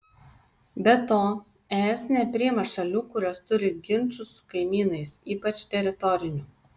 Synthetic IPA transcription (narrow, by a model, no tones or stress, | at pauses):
bʲɛt̪oː | ɛːɛsnʲɛpʲɾʲɪɪmɐʃɐlʲuːkʊɾʲoːst̪ʊɾʲɪɡʲɪnʲt͡ʃʊsʊ̥kɐɪmʲiːnɐɪsiːpɐt͡ʃt̪ʲɛɾʲɪt̪ɔɾʲɪnʲuː